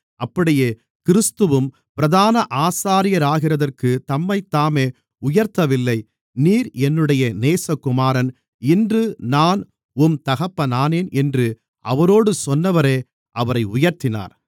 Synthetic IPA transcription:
ʔɐpːɐɽɪjeː | kɪɾɯst̪ɯʋɯm | pɪɾɐðaːnɐʔaːsaːɾɪjɐɾaːɣɪrɐðɐrkɯt̪ɐmːɐɪt̪ːaːmeː | ʊjɐɾt̪ɐʋɪlːɐɪ | niːɾɛnːɯɽɐjɐneːsɐkːʊmaːɾɐn | ɪndrɯnaːn | ʊmt̪ɐɣɐpːɐnaːneːnɛndrɯ | ʔɐʋɐɾoːɽɯsɔnːɐʋɐɾeː | ɐʋɐɾɐɪʊjɐɾt̪ɪna̰ːɾ

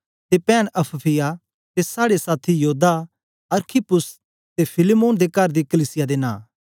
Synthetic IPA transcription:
t̪epɛːnɐpʰpʰɪja | t̪esaːɽesaːt̪ʰijoːd̪a | ɐɾkʰipʊs | t̪epʰɪlemõːnd̪ekɐɾd̪ikəliːsɪjad̪enã̰ː

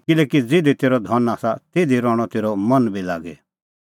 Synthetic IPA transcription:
kɪlɛːkid͡zɪd̪it̪eːɾɔd̪ʱɔnaːsat̪eːd̪iɾɔːɽ̃ɔt̪eːɾɔmɐnbʱila̰ːɡɛ̰

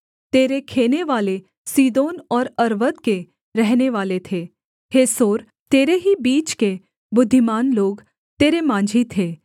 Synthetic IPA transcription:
t̪eːɾekʰeːneʋaːle | siːd̪oːnɔːɾɐɾʋət̪̚ke | ɾɛɦneʋaːlet̪ʰeː | heːsoːɾ | t̪eːɾeɦibiːt͡ʃke | bʊd̪ʱːɪmaːnloːɡ | t̪eːɾemãːd͡ʒʱit̪ʰeː

